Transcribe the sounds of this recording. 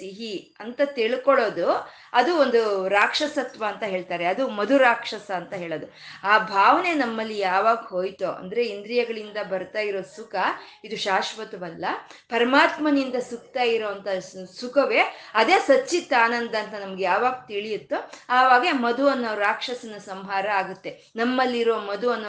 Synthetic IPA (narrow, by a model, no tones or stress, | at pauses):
t̪iɦi | ɐnt̪ɐt̪iɭkɔɭo̞ːd̪u | ɐd̪uond̪uɾaːkʂɐsɐt̪ʋɐːnt̪ɐɦe̞ːɭt̪aːɾeɐd̪umɐd̪uɾaːkʂɐsɐːnt̪ɐɦe̞ːɭoːd̪u | aːbʱaːʋɐne̞nɐmːɐlːijaːʋaːɡɐɦoːjt̪oʔɐ̰nd̪ɐɾe̞ind̪ɾijɐɡɐɭind̪ɐbɐɾt̪aːjiɾoːsukɐ | id̪uʃaːʃʋɐt̪ɐʋɐlːɐpɐɾɐmaːt̪mɐnind̪ɐsuk̚t̪aːjiɾoːɐnt̪ɐsukɐʋe̞ɐd̪e̞ːsɐt͡ʃːit̪ːaːnɐnd̪ɐːnt̪ɐnɐmɐɡejaːʋaːɡt̪iɭijut̪ːuaːʋaːɡemɐd̪uɐnːoːɾaːkʂɐsɐnɐsɐmɦaːɾɐaːɡut̪ːe̞ | nɐmːɐlːiɾoːmɐd̪uɐnːo